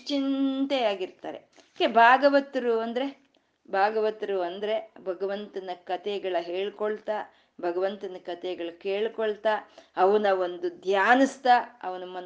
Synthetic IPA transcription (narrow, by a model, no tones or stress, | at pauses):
t͡ʃint̪eaːɡiɾt̪a̰ːɾḛ | kebʱaːɡɐʋɐt̪ɾuɐnd̪ɐɾe̞ | bʱaːɡɐʋɐt̪ɐɾuɐnd̪ɐɾe̞bʱɐɡɐʋɐnt̪ɐnɐkɐt̪ʰɛɡɐɭɐɦeːɭkoɭt̪aː | bʱɐɡɐʋɐnt̪ɐnɐkɐt̪ʰɛɡɐɭɐkeːɭkoɭt̪aːɐʋɐnɐʋond̪ud̪ʱjaːnɐst̪aːɐʋɐnɐmɐn